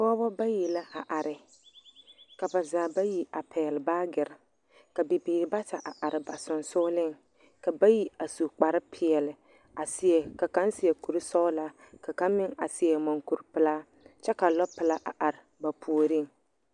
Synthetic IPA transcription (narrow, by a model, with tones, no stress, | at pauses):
bɔː˦bɔ˦ba˦ji˨la˦ʔa˨ʔa˨ɾɪ˨ | ka˨ba˨zaː˨ba˦ji˨a˨pʰɛ˨lɪ˨baː˦ɡɪ˨ɾɪ˨ | ka˨bi˨biː˨ɾɪ˨ba˦ta˨ʔa˨ʔa˨ɾɪ˨ba˨sʊ˨nsʊː˦lɪ˦˨ŋ | ka˨ba˦ji˨a˨su˨k͡pa˨ɾɪ˦pʰɪ˨ɛ˨lɪ˨ | a˨sɪ˦ɛ˨ka˨ka˦nsɪ˨ɛ˨ku˨ɾɪ˦sɔ˦la˦ | ka˨ka˦mɪ˦ŋa̰˨sɪ˨ɛ˨mɔ˨ŋku˨ɾpɪ˦la˦ | t͡ʃɛ˦ka˨lɔ˦pɪ˨la˦ʔa̰˨ʔa˨ɾɪ˨ba˨pʰu˨o˨ɾɪ˦ŋ